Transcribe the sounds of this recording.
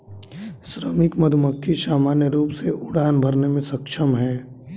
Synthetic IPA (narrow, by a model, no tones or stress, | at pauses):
sɾəmɪkmɐd̪ʱʊməkʰːiʃaːmaːnjəɾuːpseʔʊɽaːnbʱɐɾnemẽsɐkʃʰəmɦɛː